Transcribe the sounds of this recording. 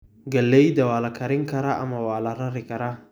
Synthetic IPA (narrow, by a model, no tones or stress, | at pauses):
ɡɐlːejdawaːlakɐɾɪŋkɐɾaʔa̰mawaːlaɾaɾɪkɐɾa